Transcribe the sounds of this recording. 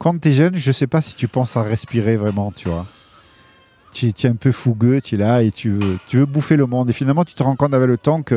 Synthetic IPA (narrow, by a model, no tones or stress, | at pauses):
kɑ̃t̪ɛʒœnʒəsɛpasi̥t̪ypɑ̃saʁɛspiʁevʁɛmɑ̃t̪ʰyvwa̰ | t̪yɛt̪yɛɛ̃pøfuɡøt̪ɥɛlaet̪ʰyvøt̪yvøbufeləmɔ̃d̪efinalmɑ̃t̪y̥t̪əʁɑ̃kɔ̃t̪d̪avɛlət̪ɑ̃kə